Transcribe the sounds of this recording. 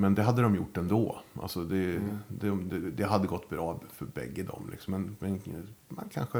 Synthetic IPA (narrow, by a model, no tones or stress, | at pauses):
mɛnd̪ɛɦad̪ːəd̪ɔmjʊʈːɛnd̪oːʔa̰lsɔd̪ɛd̪ɛd̪ɛd̪ɛɦad̪ːəɡɔt̪ːbɾɑːfœɾbɛ̰ɡːəd̪ɔ̰mlʔɪ̰ksɔmːɛnmɛnma̰nkʰa̰nɧə